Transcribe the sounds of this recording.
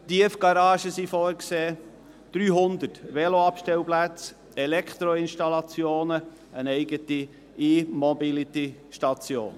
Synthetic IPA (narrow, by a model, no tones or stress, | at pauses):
tiəfɡ̥ɑɾɑːʃəsifoːɾkseː | d̪̥ɾyːɦʊnd̪ətʋɛloɑpʃtɛwplæt͡s | ɛlɛkʰt̪ɾoɪnʃtɑlɑt͡sjoːnə | ənɛɪɡət̪i | imobilit̪iʃtɑt͡sjo̰ːn